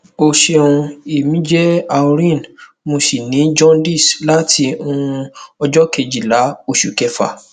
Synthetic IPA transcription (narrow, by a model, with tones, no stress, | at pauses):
o˧ʃe˧ũ˧e˨mĩ˨˦d͡ʒɛ˦a˨o˧ɾĩ˦˨n | mo˧si˨nĩ˨˦d͡ʒɔ̃˦ndi˦˨sla˨˦tʰi˧˦o˧ũ˧ɔ˧d͡ʒɔ˦ke˧˨d͡ʒi˨la˨˦o˧ʃu˨kɛ˧fa̰˨